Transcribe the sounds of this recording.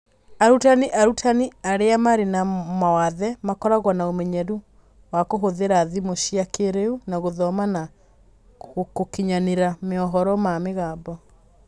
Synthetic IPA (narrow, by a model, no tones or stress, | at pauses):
aɾutaniʔaɾutʰaniaɾeamaɾenamawaðɛmakɔɾaɣwanaomɛɲɛɾu | wakoɦoðeɾaðimoɕiakeɾeunaɣoðɔmana | okokiɲaneɾameɔɦɔɾɔmameɣaːbɔ